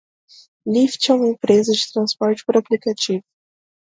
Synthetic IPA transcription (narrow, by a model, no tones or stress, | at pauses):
lift͡ʃɛũmɐẽpɾezɐd͡ʒɪt̪ɾɐ̃spɔɾt͡ʃɪ̥pʊɾaplikat͡ʃivʊ